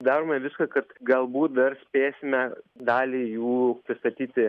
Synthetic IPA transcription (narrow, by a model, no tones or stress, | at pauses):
d̪ɑːɾoːmɐʋʲɪskɐkɐt̪ɡɐlˠbuːt̪̚d̪ɐrsʲpʲeːsʲɪmʲɛd̪ɑːlʲiːjuːpʲɾʲɪst̪ɐt̪ʲiːt̪ʲɪ